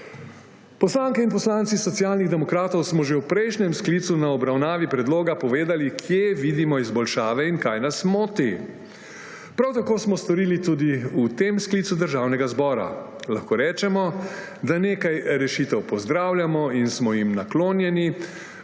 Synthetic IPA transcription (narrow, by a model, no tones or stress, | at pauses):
pɔslaŋkɛinpɔslaːnt̪sisɔt̪sijaːlniɣd̪ɛmɔkɾaːt̪ɔwsmɔʒewpɾɛjʃnʲɛmskliːt̪sunaɔbɾawnaːʋipɾɛd̪loːɡapɔʋeːd̪alikʰjeʋiːd̪imɔizbɔlʃaːʋɛinkajnasmoːt̪i | pɾawt̪akoːsmɔst̪ɔɾiːlit̪ud̪iut̪emsklit̪sud̪əɾʒaːwnɛɡazbɔːɾa̰ | laxkoːɾɛːt͡ʃɛmɔ | d̪aneːkajɾɛʃit̪ɛwpɔzd̪ɾaːwljamɔinsmɔjimnakloːnjɛni